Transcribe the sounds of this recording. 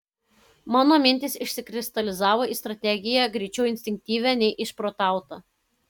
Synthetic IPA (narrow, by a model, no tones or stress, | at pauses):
mɑːnoːmʲɪnʲt̪ʲɪsɪʃʲsʲɪkɾʲɪst̪ɐlʲɪzɑːʋoːiːst̪ɾɐt̪ʲɛɡʲɪjæɡɾʲɛɪt͡ʃʲɛʊɪnʲsʲt̪ʲɪŋʲk̚t̪ʲiːʋʲæːnʲɛɪʔɪʃpɾoːt̪ɑˑʊt̪ɐ